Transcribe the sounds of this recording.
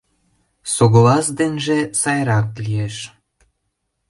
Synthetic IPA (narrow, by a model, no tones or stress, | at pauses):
soɣəlɑsd̪enʒesɑjɾɑk̚lieʃ